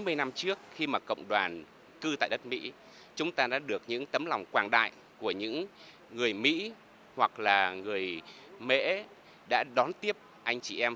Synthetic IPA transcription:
mɨ˧əjna˧mt͡ɕɨ˦˥ək̚xi˧maː˨˩kə̰˧˨wŋ͡mɗwaː˨˩n | kɨ˧t̪a̰ː˧˨jɗə˦˥t̚mḭ˧˥ | t͡ɕʊ˨˦ŋ͡mt̪aː˧ɗa̰ː˧˥ɗɨ˨˩ək̚ɲɨ̰˧˥ŋt̪ə˨˦mla˨˩wŋ͡mkwaː˧˩nɗa̰ː˧˨j | ku˧˩əɲɨ̰˧˥ŋː | ɨ˨˩əjmḭ˧˥ | hwa˨˩k̚laː˨˩ŋɨ˨˩əj | mḛ˧˥ | ɗa̰ː˧˥ɗɔ˨˦nt̪i˦˥əp̚ | ʔa˧jŋ̟t͡ɕi˧˨˩ʔɛ˧m

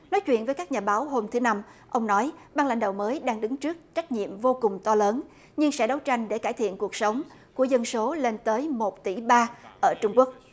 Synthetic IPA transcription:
nɔ˨˦jt͡ɕwḭ˧˨ənvəː˨˦jkaː˦˥k̚ɲaː˨˩ɓaː˨˦wɦo˧mt̪ʰɨ˨˦na˧mʔə˧wŋ͡mnɔ˨˦jɓaː˧ŋla̰˧˩jŋ̟ɗa̰ː˧˨wməː˨˦jɗaː˧ŋɗɨ˨˦ŋt͡ɕɨ˦˥ək̚t͡ɕa˦˥jk̟̚ɲḭ˧˨əmvo˧kʊ˨˩ŋ͡mt̪ɔ˧ləː˨˦n | ɲɨ˧ŋsɛ̰˧˥ɗə˨˦wt͡ɕa˧jŋ̟ɗe˧˩kaː˧˩jt̪ʰḭ˧˨ənku˨˩ək̚sə˨˦wŋ͡m | ku˧˩əzə˧nso˨˦le˧nt̪əː˨˦jmo˨˩t̚t̪i˧˩ɓaː˧ʔəː˧˩t͡ɕʊ˧ŋ͡mku˦˥ək̚

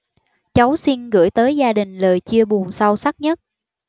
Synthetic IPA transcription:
t͡ɕa˨˦wsi˧nɣɨ̰˧˩˥jt̪əː˨˦jzaː˧ɗï˨˩ŋ̟ləː˨˩jt͡ɕi˧əɓu˨˩ənsa˧wsa˦˥t̚ɲə˦˥t̚

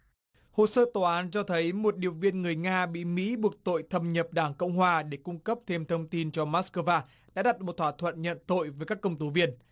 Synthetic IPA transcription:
ho̰˧˨səː˧t̪o˨˦aː˨˦nt͡ɕɔ˧t̪ʰə˨˦jmo˨˩t̚ɗi˨˩əwvḭ˧ənŋɨ˨˩əjŋaː˧ɓḭ˧˨mḭ˧˥ɓu˨˩ək̚t̪o̰˧˨jt̪ʰə˧mɲə˨˩p̚ɗaː˧˩ŋkə̰˧wŋ͡mɦwaː˨˧ɗe˧˩kʊ˧ŋ͡mkə˦˥p̚t̪ʰe˧mt̪ʰə˧wŋ͡mt̪i˧nt͡ɕɔ˧maː˦˥skəː˧vaː˧ | ɗa̰ː˧˥ɗa˨˩t̚mo˨˩t̚t̪ʰwaː˧˩t̪ʰwə̰˧˨nɲə̰˧˨nt̪o̰˧˨jvəː˨˦jkaː˦˥kːə˧wŋ͡mt̪u˨˦vi˧ən

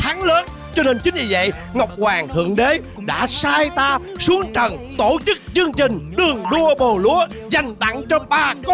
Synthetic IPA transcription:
t̪ʰa˨˦ŋləː˨˦n | t͡ɕɔ˧ne˧nt͡ɕï˨˦ŋ̟ɲi˧˩və̰˧˨j | ŋa˨˩wk͡p̚kwaː˨˩ŋt̪ʰɨ̰˧˨əŋɗe˨˦ | ɗa̰ː˧˥saː˧jt̪aː˧ | su˨˦əŋt͡ɕə˨˩nt̪o˧˩t͡ɕɨ˦˥k̚zɨ˧əŋt͡ɕï˨˩ŋ̟ɗɨ˨˩əŋɗu˧əɓo˨˩lṵ˧˥ə | za˨˩jŋ̟ɗa̰˧˨ŋt͡ɕɔ˧wŋ͡mɓaː˧k

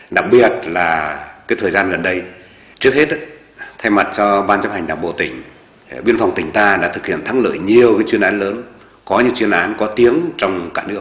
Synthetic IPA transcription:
ɗa˨˩k̚ɓi˨˩ət̚laː˨˩kaː˨˦jt̪ʰəː˨˩jzaː˧nɣə˨˩nɗə˧j | t͡ɕɨ˦˥ək̚he˦˥t̚ | t̪ʰa˧jma˨˩t̚t͡ɕɔ˧ɓaː˧nt͡ɕa˦˥p̚ha˨˩ŋ̟ɗaː˨˩ŋ͡mɓo̰˧˨t̪ï˧˩ŋ̟ | ɓi˧ənfa˨˩wŋ͡mt̪ï˧˩ŋ̟t̪aː˧ɗa̰ː˧˥t̪ʰɨ˨˩k̚hḭ˧˨ənt̪ʰa˨˦ŋlə̰ː˧˨jɲi˨˩əwkaː˨˦jt͡ɕwi˧ənʔaː˨˦nləː˨˦n | kɔ˨˦ɲɨ̰˧˥ŋt͡ɕwi˧ənʔaː˨˦nkɔ˨˦t̪i˨˦əŋt͡ɕɔ˧wŋ͡mkaː˧˩nɨ˦˥ək̚

